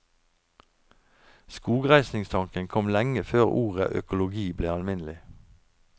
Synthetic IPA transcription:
skuːɡʁæɪsnɪŋst̪ʰɑŋkənkʰɔmlɛŋəføːʁuːʁə̰ʔœ̰kʊlʊɡiːbleːɑlmɪnlɪ

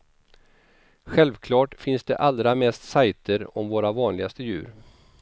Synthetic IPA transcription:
ɧɛlvkʰlɑːʈfɪnsd̪ɛ̰ʔald̪ɾamɛst̪sajt̪ʰəɾɔmvoːɾavɑːnlɪɡast̪əjʉ̟̰ːɾ

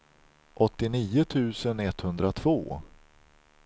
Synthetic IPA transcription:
ʔɔt̪ːɪniːʊt̪ʰʉ̟ːsənɛt̪ːhɵnd̪ɾat̪ʰv̥oː

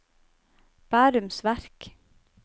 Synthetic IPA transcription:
b̥æːɾʉmsʋæɾk

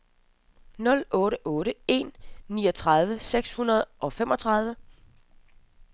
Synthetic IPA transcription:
nɔ̽lʔɔ̽ːɾəʔɔ̽ːɾəe̝nːḭːɒ̽t͡sʰʁɑð̞ˠʋəseɡ̥shunɐð̞̩ˠʔɒ̽fem̰ɒ̽t͡sʰʁɑ̈ð̞ˠʋə

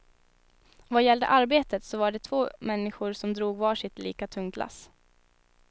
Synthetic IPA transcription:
vajɛld̪ə̰ʔaɾbeːt̪ət̪sɔvaɖɛt̪ʰvoːmɛnːɪɧʊɾsɔmd̪ɾuːɡvɑːʂɪt̪lḭːkat̪ʰɵŋt̪la̰s

